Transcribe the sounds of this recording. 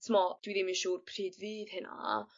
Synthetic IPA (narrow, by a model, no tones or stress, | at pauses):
tʰmɔd̥wiːɾimiʃuːrpʰr̥iːdviːðhɪna̰